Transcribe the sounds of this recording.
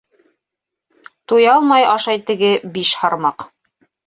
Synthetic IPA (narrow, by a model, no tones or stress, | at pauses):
t̪ujɑlˠmɑjɑʃɑjt̪ɘ̆ɡɘbiʃhɑɾmɑq